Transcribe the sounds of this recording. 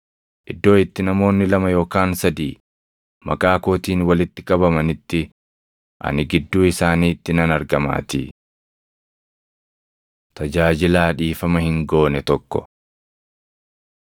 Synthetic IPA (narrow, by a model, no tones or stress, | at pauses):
ʔɪd̪ːo̞ːɪt̪ːɪnɐmo̞ːnːɪlɐmɐjo̞ːkaːnsɐd̪iː | mɐ̰kʼaːkoːt̪iːnwɐlɪt̪ːɪkʼɐbɐmɐnɪt̪ːɪ | ʔɐ̰nɪɡɪd̪ːuːɪsaːniːt̪ːɪnɐnɐɾɡɐma̰ːt̪ḭː | t̪ɐd͡ʒaːd͡ʒɪlaːᶑiːfɐmɐhɪŋɡo̞ːnɛt̪ɔkːɔ̰